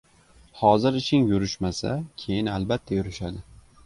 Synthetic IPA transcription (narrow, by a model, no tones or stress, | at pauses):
hɒzɪɾɪʃɪŋjʊɾɪʃmasa̰kʲʰe̞jɪnalbat̪ʰːajʊɾɪʃad̪ɪ